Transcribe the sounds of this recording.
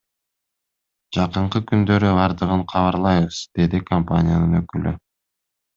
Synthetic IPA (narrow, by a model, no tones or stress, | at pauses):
d͡ʒɑqɯɴqɯkynd̪ø̞ɾyɑɾd̪ɯʁɯɴqʰɑβɑɾlˠɑjβɯz̥d̪̥e̞d̪ikʰompa̰nʲɪjanɯnø̞kylʔy